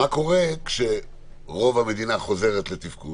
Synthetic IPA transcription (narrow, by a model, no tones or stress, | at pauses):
ako̞ʁe̞kʃe̞ | ʁo̞vame̞d̪inaχo̞ze̞ʁet̪le̞t̪ifku